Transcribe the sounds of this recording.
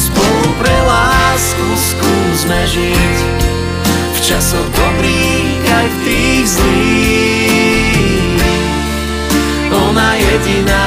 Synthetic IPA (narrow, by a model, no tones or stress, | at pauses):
spɔlupɾɛlaːskusku | zmɛʒic | ft͡ʃasɔɣd̪ɔbɾiː | ɣajft̪iːɣzliː | ɔnajɛɟinaː